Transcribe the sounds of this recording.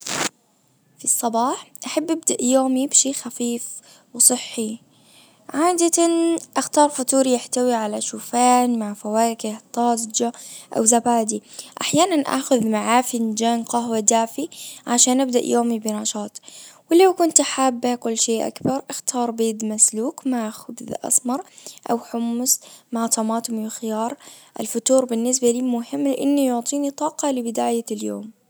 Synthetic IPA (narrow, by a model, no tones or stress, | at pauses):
fisˤːɑbɑːħʔaħabːabd̪aʔjoːmibʃeːxafiːf | wsˤɨħːi | ʕaːd̪at̪anʔaxt̪ɑːɾˤfʊt̪uːɾijɪħt̪awiʕalaʃuːfaːnmaʕfawaːkɪht̪ˤɑːzd͡ʒaʔa̰wzabaːd̪iʔaħjaːnanʔa̰ːxʊðmaʕaːfɪnd͡ʒaːnqɑɦwad̪aːfiʕaʃaːnʔabd̪a̰ʔjʔoːmibɪnɑʃɑːt̪ˤwɪlawkʊnt̪ħaːbːakʊlːʃeːʔa̰kbɑɾˤʔɪxt̪ʰɑːɾˤbeːd̪masluːkmaʕxʊbðʔɑ̰sˤmɑɾˤʔa̰wħʊmːʊsmaʕt̪ˤɑmɑːt̪ʊmwxɪjɑːɾˤʔa̰lfʊt̪uːɾbɪnːɪs̬baliːmʊɦɪmːlɪʔɪnːijʊʕt̪ˤiːnit̪ˤɑːqɑlɪbɪd̪aːjaljo̰ːm